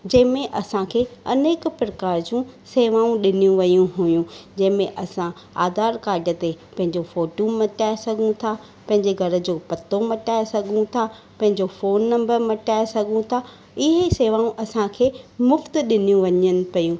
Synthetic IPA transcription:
d͡ʑɐ̃ɦɪ̃mẽʔɐsãkʰeːɐneːkpɾɐkaːɾd͡ʑũseːʋaːũɗɪnijũʋɐjũɦujũd͡ʑɐ̃ɦɪ̃mẽʔɐsã | a̰ːd̪aːɾkaːɾɖə̆t̪epɐ̃ɦɪ̃ɲd͡ʑofoːʈomɐʈaːesɐɡʱũt̪ʰa | pɐ̃ɦɪ̃ɲd͡ʑeɡʱɐɾə̆d͡ʑoːpɐt̪omɐʈaːesɐɡʱũt̪ʰa | pɐ̃ɦɪ̃ɲd͡ʑofoːnːɐ̃mbəɾmɐʈaːesɐɡʱũt̪ʰa | ɪɦeseːʋaːũʔɐsãkʰeːmʊft̪ɗɪnijũʋɐɲənɪ̆pɐjũ

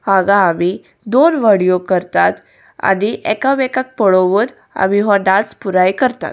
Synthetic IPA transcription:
haɡaːmi | d̪onʋəɽijokəɾt̪at̪ | a̰niʔɛkaʋɛkak̚pəɭoʋəɾ | a̰miɦaɖat͡spuɾajkəɾt̪a̰t̪

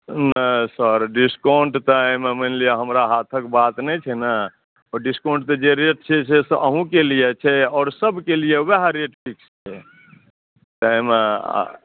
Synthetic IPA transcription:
nəsəɾɖiskoɳʈt̪ɔjmemənlijaɦəmɾaɦat̪ʰəkbat̪nɛjt͡ʃʰɛnə | ɔɖiskoɳʈt̪ɔd͡ʒeɾeʈ̚t͡ʃʰɛsesʔəɦũkelijet͡ʃʰɛɔːɾsəbkelijeweɦaɾeʈpʰikst͡ʃʰɛ | t̪ːmḛ

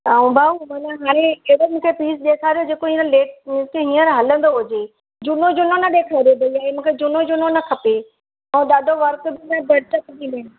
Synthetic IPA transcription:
t̪aːũbʱaːumɐːnaɦaːɽ̃ẽɦɪɽomũːkʰepiːsɗeːkʰaːɾijod͡ʑeːkoɦĩːə̃leːʈĩt̪eɦĩːəɾɦɐlə̃nd̪oɦʊd͡ʑe | d͡ʑʊnõd͡ʑʊnonɐɗ̪eːkʰaːɪɾijobɐliaːɦemũːkʰed͡ʑʊnod͡ʑʊnonɐkʰɐpe | ɐũɗ̪aːd̪ʱoʋɐɾkbɪmẽbɐɽɪt̪ɐkbimɪɽ̃

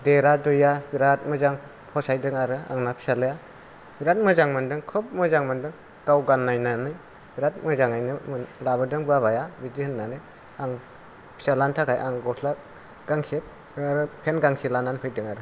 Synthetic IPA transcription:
deɾadɯjabiɾat̚mɯzaŋ | pʰɔsajdɯŋaɾɯa̰ŋnapʰi̥salɯja | biɾat̚mɯzaŋmɯndɯŋkʰɯp̚mɯzaŋmɯndɯŋ | kawɡanːajnanɯj | b̥iɾat̚mɯzaŋajnɯmɯlabɯdɯŋbaβajabidihɯnːanɯ | aŋ | pʰi̥salantʰakʰajʔaŋɡɔtʰla | ɡ̥aŋsep̚ | aɾɯpʰenɡaŋsilananpʰɯjdɯŋaɾɯ

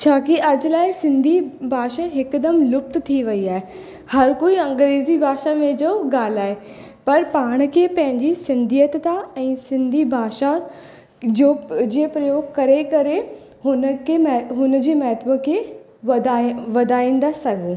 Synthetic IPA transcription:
t͡ʃʰaːkɪəd͡ʒlaːisɪ̃nd̪iːbʱaːʃaːɦɪkd̪əmlʊp̚t̪t̪ʰiːʋəiːaːeː | həɾkoːiːə̃ŋɡɾeːziːbʱaːʃaːmẽd͡ʒoːɡaːlaːeː | pəɾpaːɳ̃keːpə̃ɦɪ̃ɲd͡ʒiːsɪnd̪ijət̪t̪aːɛ̃ːsɪ̃nd̪ʱiːbʱaːʃaː | d͡ʒoːd͡ʒeːpɾəjoːɡkəɾeːkəɾeː | ɦʊnkeɦʊnd͡ʒeːmɛːt̪bəkeː | ʋd̪aʋəd̪aːĩːnd̪aːsəɡõː

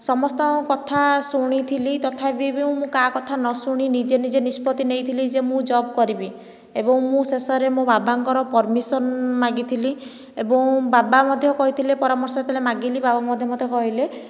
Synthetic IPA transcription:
sɔmɔst̪ɔkɔt̪ʰasuɽ̃it̪ʰilit̪ɔt̪ʰapibiũmũkakɔt̪ʰanɔsuɽ̃inid͡ʒenid͡ʒenispɔt̪inejt̪ʰilid͡ʒemũd͡ʒɔbkɔɾibi | ebɔŋmũsesɔɾemũbabaŋkɔɾɔpɔɾmisɔnmaɡit̪ʰili | ebɔŋbabamɔd̪ʱjɔkɔɦit̪ʰilepɔɾamɔɾsɔt̪ʰilemaɡilibabamɔd̪ʱjɔmɔd̪ʱjɔkɔɦile

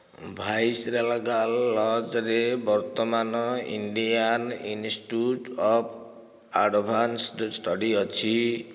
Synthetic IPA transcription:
bʱajsɾelaɡalːɔd͡zɾebʌrt̪ɔmanʌḭɳɖijaninsʈuʈɔpʰ | aɖbʱanssʈʌɽiʌt͡sʰi

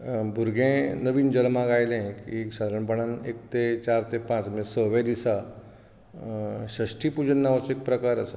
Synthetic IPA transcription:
bʱuɾɡʱẽnəʋiːnd͡ʑəɾmãɡajlẽkieksad̪ʱaɾəɳpəɳanekt̪et͡ɕaɾt̪epãt͡smesəʋẽd̪isa | ɕəɕʈiːpud͡ʑənːaʋəsek̚pɾəkaɾəsə̰

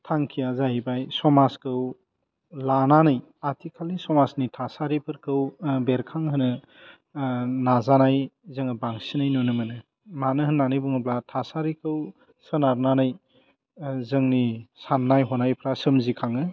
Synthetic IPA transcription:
tʰaŋkʰijazaɦibajsɔmaskʰɯw | lananɯj | atʰikʰalisɔmasnitʰasaɾipʰɯɾkʰɯwbeɾkʰaŋɦɯnɯ | nazanajzɯŋɯbaŋsinajnunɯmɯnɯ | manɯɦɯnːanɯjbuŋɯblatʰasaɾikʰɯw | sɯnaɾnanɯj | zɯŋnisanːajɦɔnajpʰɾasɯmzikʰaŋɯ

